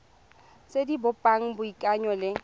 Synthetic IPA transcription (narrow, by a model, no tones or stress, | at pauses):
sedibʊpʼaŋ̩bʊikʼaɲɔlɪ